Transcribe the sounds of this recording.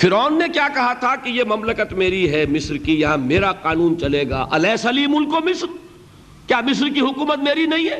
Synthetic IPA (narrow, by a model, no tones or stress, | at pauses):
fɪɾɔːnːekjaːkɐɦat̪ʰakijemɐmləkət̪meːɾiɦɛmɪsɾkijɐɦãmeːɾaqaːnuːnt͡ʃɐleːɡa̰ːʔɐ̰lɛːsɐliːmʊlkomɪsɾ | kjaːmɪs̬ɾkiɦʊkuːmət̪meːɾinɐɦĩɦɛː